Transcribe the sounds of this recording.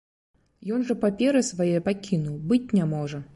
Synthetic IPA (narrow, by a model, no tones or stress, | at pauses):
jɔnʐɐpapʲɛɾɨsvajɛjɐpakʲinuwbɨt͡sʲnʲamɔʐɐ